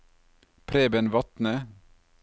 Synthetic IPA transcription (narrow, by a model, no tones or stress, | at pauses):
pʰɾeːbənʋɑt̪nə